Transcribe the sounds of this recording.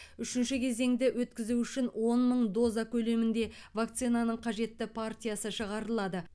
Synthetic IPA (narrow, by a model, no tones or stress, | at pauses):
ʏʃɪnʃɪkʲʰe̞ze̞ŋd̪ɪwʔɵt̪kʲɪzuʏʃɪnwo̞nməɴd̪o̞zɑkʲʰɵle̞mɪnd̪e̞vak̚t̪sinanəɴqʰɑʒe̞t̪ːɪpʰart̪ʲijasəʃəʁɑɾəlˠɑd̪ə